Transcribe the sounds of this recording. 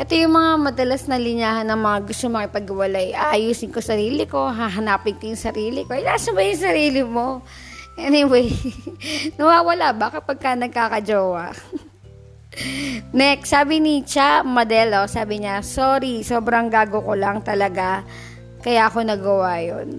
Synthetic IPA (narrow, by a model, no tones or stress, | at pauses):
ʔɛt̪ojʊŋmɐŋamɐd̪ɐlasnɐlɪɲaːhɐnːɐŋmɐŋaɡʊst̪omɐŋɪpɐɡɪwɐlajʔajuːsɪnkosɐɾiːlɪko̞ɦaːɦɐnaːpɪnkojʊŋsɐɾiːlɪkoʔɛnaːsɐbajʊŋsɐɾiːlɪmo̞ | ʔɛnɪwɛj | nɐwaːwɐlabaːkɪt̪̚pɐɡ̚kanɐɡ̚kaːkɐd͡ʒoːwɐ | nɛksaːbɪnɪt͡ʃamɐd̪ɛlosaːbɪɲɐsoːɾiso̞ːbɾɐŋɡaːɡokolɐŋt̪ɐlɐɡa | kɐjaʔko̞nɐɡɐwajo̰n